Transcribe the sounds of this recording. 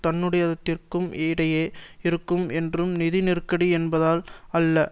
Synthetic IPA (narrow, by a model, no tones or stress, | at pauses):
t̪ɐnːɯɽɐjɐðɐt̪ːɪrkɯmʔeːɽɐjeːɪɾɯkːɯmɛndrɯmnɪðinɪrkːɐɽiɛnbɐðaːlɐlːɐ